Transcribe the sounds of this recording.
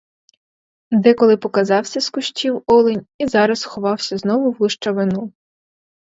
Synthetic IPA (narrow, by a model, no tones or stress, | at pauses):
d̪ɛkɔlˠɪpɔkɐzɑwsʲɐskʊʃtʲiwɔlˠenʲizɑɾɐsxɔʋɑwsʲɐznɔʋʊwlˠɪʃt͡ʃɐʋɪnu